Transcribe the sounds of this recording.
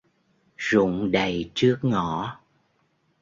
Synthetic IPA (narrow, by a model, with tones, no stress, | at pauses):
zʊ̰˧˨ŋ͡mɗə˨˩jt͡ɕɨ˦˥ək̚ŋɔ˧˨